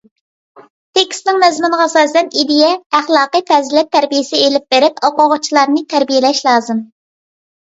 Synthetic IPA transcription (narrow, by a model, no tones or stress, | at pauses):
t̪ʰekʲst̪nɪŋmɛzmɪnəʁɑsɑːsɛnid̪ijɛæχlˠɑːqɨjt̪ʰɛzlɛt̪ʰːæɾbijɪsɪelɪp̚b̥eɾɪpɑqoʁʊt͡ʃʰilˠɑɾnɨt̪ʰæɾbijelɛʃlˠɑːzɨm